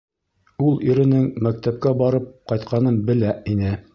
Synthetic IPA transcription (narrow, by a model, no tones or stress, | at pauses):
ulˠiɾɘ̆nɘŋmæk̚t̪æp̚kæbɑɾɤp̚qɑjt̪̚qɑnɤnbɘ̆læinɘ